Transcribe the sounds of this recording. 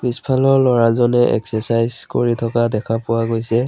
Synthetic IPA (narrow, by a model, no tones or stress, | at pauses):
b̥ispʰalɔɹlɔɹazɔnɛʔɛ̰ksɛsajzko̰ɹitʰɔkadɛkʰapʊwaɡojsɛ